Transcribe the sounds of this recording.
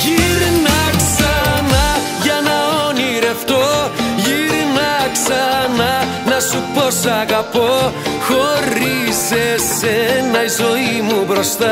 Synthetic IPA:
ʝiɾnɐksɐnɐ | ʝɐnɐoniɾeft̪o̞ʝiɾnɐksɐnɐ | nɐsupo̞sɐɣɐpo̞xo̞ɾisesenɐizo̞imubɾo̞st̪ɐ

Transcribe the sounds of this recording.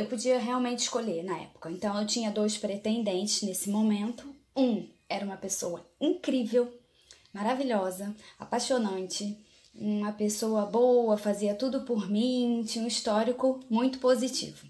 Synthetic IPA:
ewpod͡ʒiɐɦeawmẽnt͡ʃɪ̥ʃkoʎeɾnɐɛ̰pʊ̥kɐẽnt̪ɐ̃w̃ewt͡ʃĩɲɐd̪ojspɾet̪ẽnd̪ẽnt͡ʃɪznesɪmomẽnt̪ʊ | ũ | ɛɾɐũmɐpesowɐĩŋkɾivew | maɾaviʎɔzɐa̰paʃonɐ̃nt͡ʃɪ | ũmɐpesowɐbowɐfaziɐt̪ud̪ʊpʊɾmĩt͡ʃĩɲũist̪ɔɾikʊmũj̃t̪ʊ̥pozit͡ʃḭvʊ

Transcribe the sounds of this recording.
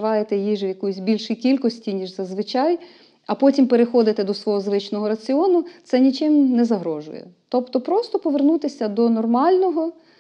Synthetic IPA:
ʋɑjet̪ɛjiʒʋjɐkujsʲbʲilʲʃikʲilʲkɔsʲtʲinʲiʒzɐzʋɪt͡ʃɑj | ɐpɔtʲimpeɾexɔd̪ɪt̪ɛd̪ɔsʋɔɦɔzʋɪt͡ʃnɔɦɔɾɐt͡sʲɪɔnʊt̪sɛnʲit͡ʃɪmnɛzɐɦɾɔʒʊ̰jɛ̰t̪ɔpt̪ɔpɾɔst̪ɔpɔʋernut̪ɪsʲɐd̪ɔnɔrmɑlʲnɔɦɔ

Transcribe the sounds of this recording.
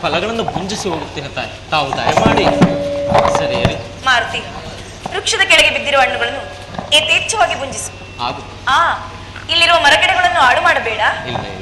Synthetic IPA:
pɐlɐɡɐɳɐnːubuɲd͡ʒisiɾoːɡut̪ːinːɐt̪ːa̰ːjit̪aːʋud̪ɐ̰jɐmaːɽej | sɐɾḛːɐɾi | maːɾt̪i | ɾukʂɐd̪ɐkeɭɐɡibid̪ːiɾɐʋɐɳːuɡɐɭenːu | eːt̪eːt͡ʃːɐʋaːɡibuɲd͡ʒisu̥ | a̰ːɡut̪ːaː | ilːiɾuʋɐmɐɾɐɡɐɽeɡɐɭenːuaːɽumaːɽɐbeːɽaːilːɐ̰

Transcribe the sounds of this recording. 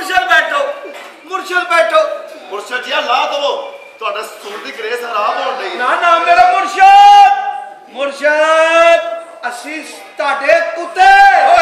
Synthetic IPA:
ɾʃəlbɛːʈʰoː | mʊɾʃəlbɛːʈʰoː | mʊɾʃaːd͡ʒɪjãːlaːd̪əʋoːt̪ʊaːɖassoːɾd̪iːɡəɾeːsaɾaːd̪ɔːɽd̪einãːnãːmeːɾamʊɾʃaː | mʊɾʃa | əsĩː | t̪ʊaːɖeːʊt̪ːeː

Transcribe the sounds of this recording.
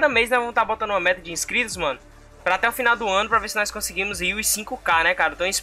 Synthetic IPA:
d̪ɐmejznɔzvɐ̃mʊst̪aɾbot̪ɐ̃d̪ũɐmɛt̪ɐd͡ʒɪĩskɾit̪ʊzmɐ̃nʊ | pɾɐat̪ɛʊfinawd̪ʊɐ̃nʊpɾɐveɾsɪnɔskõseɡĩmʊziisĩkʊkanɛkaɾɐ̃t̪ɐ̃w̃ĩs

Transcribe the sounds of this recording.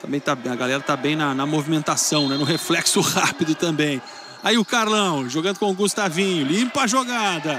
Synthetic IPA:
t̪ɐ̃mbẽj̃t̪abẽj̃ɐɡalɛɾɐt̪abẽj̃nɐnɐmovimẽnt̪asɐ̃w̃nɛnʊɦeflɛksʊhapid̪ʊt̪ɐ̃mbẽj̃ | aiʊkaɾlɐ̃w̃ʒoɡɐ̃nd̪ʊkõʊɡust̪avĩɲʊlĩmpɐʒoɡad̪ɐ

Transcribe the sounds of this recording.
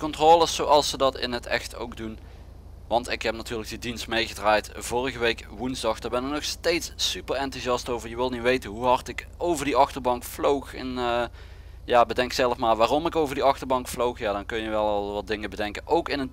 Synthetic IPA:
kɔntroːlˠəsowɑlˠsːədɑtɪ̰nɦətɛ̰xto̰wkdun | ʋɑntɪkɦɛp̚natyːɹlək̚didinstmejɣədraːjtv̥ʊːrəɣəʋejkʋunzdɑxd̥aːbɛnɪk̚nɔxstejtsypərɛntuzɑstowvəɹjəʋɪlˠnitʋejtənɦuɦɑrtɪk | owvəɹdiɑxtəɹbɑŋkflowxɛnə | jaːbədɛŋksɛlˠəfmaːɹʋaːrɔmɪkowvərdiɑxtəɹbɑŋkflowxjaːdɑnkɵnjəʋɛlˠlˠʋɑt̚dɪŋəbədɛŋkənʔowkɪnət

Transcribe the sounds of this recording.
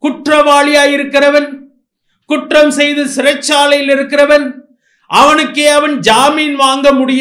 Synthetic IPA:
kʊʈrɐʋaːɭɪjaːjɪɾɯkːɪrɐʋɐn | kʊʈrɐmsɛjðɯsɪɾɐt͡ʃːaːlɐjɪlɪɾɯkːɪrɐʋɐn | ʔɐʋɐnɯkːeːɐʋɐnd͡ʒaːmiːnʋaːŋɡɐmʊɽɪj

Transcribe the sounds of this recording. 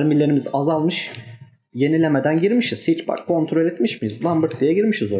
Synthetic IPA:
ɾmilʲe̞ɾimizazalˠmɯʃ | je̞nilʲemed̪ænɟiɾmiʃiz̥hit͡ʃba̰kʰːo̞nt̪ʰɾo̞lʲɛt̪miʃmijizlˠambɯɾt̪̚d̪ijɛɟiɾmiʃizo

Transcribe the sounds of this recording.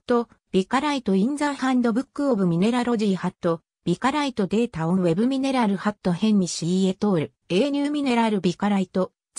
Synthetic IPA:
t̪o̞ | b̥ʲikaɾait̪o̞ĩnd͡zahãnd̪o̞bɯ̟kːɯ̟obɯ̟mʲine̞ɾaɾo̞ʑiːhat̪ːo̞ | b̥ʲikaɾait̪o̞d̪e̞ːt̪aõβe̞bɯmʲine̞ɾaɾɯ̟hat̪ːo̞hẽ̞ɲ̟ːiɕie̞t̪o̞ːɾɯ̟ | e̞ːɲʲɨːmʲine̞ɾaɾɯ̟bʲikaɾait̪o̞

